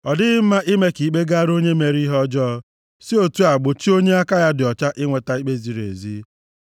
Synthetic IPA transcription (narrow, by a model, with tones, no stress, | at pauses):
ɔ˨dɪ˦ɪ˦m̩˦ma˦ʔɪ˦me˦ki˨k͡pe˦ɡa˦ɾo˦ɲe˦me˨ɾi˦ɦɔ˦d͡ʒɔ˦ | si˦o˦˨tu˦a˨ɡ͡bo˨t͡ʃi˦o˦ɲe˦a˦ka˦ja˦dɪ˨ɔ˨t͡ʃa˦ʔɪ˦ŋʷe˨ta˨˦i˦k͡pe˦zi˨ɾḛ˨zi˦